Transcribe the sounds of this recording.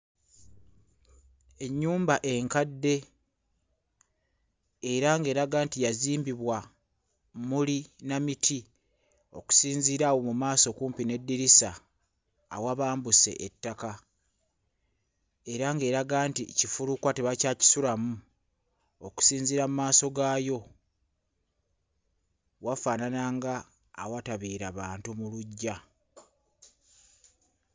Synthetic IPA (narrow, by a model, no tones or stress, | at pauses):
e̞ɲːuːmbaʔe̞ŋkadːe̞ | ɾaŋɡe̞ːɾaɡaːntijaziːmbiβwa | mulinamitʰi | o̞̰ku̥siːnziːɾawo̞mumaːso̞kuːmpine̞dːiɾisa̰ː | waβaːmbuse̞̰ʔetːaka | e̞ɾaŋɡe̞ːɾaɡaːnticifuɾukwate̞βacaːci̥sulamu | oku̥siːɲziɾamumaːso̞ɡaːjo̞ | wafaːnanaːŋɡaː | wataβiːɾaβaːntumuluɟːa